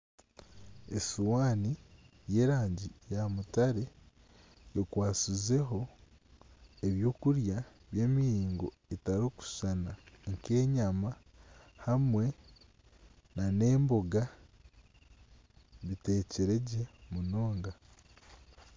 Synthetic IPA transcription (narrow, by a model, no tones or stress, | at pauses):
ḛsuwaːnije̞ːɾaːɲɟijamutaɾe̞ | okwaːsize̞ɦo̞ | eβjo̞ːkuɾjaβje̞ːmiiːŋɡo̞ | etaɾoku̥sanaŋke̞ːɲama | hamwe̞ | nane̞ːmbo̞ɡa | βite̞ːce̞ɾe̞ɟe̞muno̞ːŋɡa